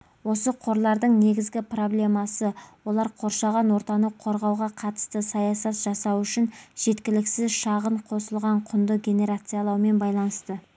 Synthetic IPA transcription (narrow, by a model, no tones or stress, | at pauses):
wo̞səqʰo̞ɾlˠɑɾd̪əɴne̞ɡʲɪzɡʲɪpro̞blʲe̞mɑsəwo̞lˠɑɾqʰo̞ɾʃɑʁɑnwo̞ɾt̪ɑnəqʰːo̞ɾʁɑwʁɑqʰɑt̪ə̥st̪əsɑjɑsɑt̪ʒ̥ɑsɑwʏʃɪnʒ̥e̞t̪kʲɪlɪksɪzʃɑʁəɴqʰo̞səlˠʁɑɴqʰʊnd̪əɡʲe̞ne̞ɾat̪sɨjɑlˠɑwme̞nbɑjlˠɑnəst̪ə